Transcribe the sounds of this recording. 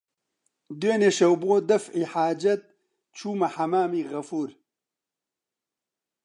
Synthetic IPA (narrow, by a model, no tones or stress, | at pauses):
d̪weːneːʃɐwboːd̪ɐfʕiːħaːd͡ʒɐt̪̚ | t͡ʃʰuːmɐħɐmaːmiːɣɐfuːɾ